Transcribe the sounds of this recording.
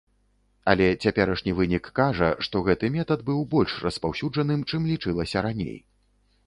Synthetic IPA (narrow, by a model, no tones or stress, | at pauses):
ɐlʲɛt͡sʲapʲɛɾɐʂnʲivɨnʲikːaʐɐ̰ʂt̪ɔɣɛt̪ɨmʲɛt̪ɐd̪bɨwbɔlʲʂrɐspawsʲud͡ʐɐnɨmt͡ʂɨmlʲit͡ʂɨlˠɐsʲɐɾanʲḛj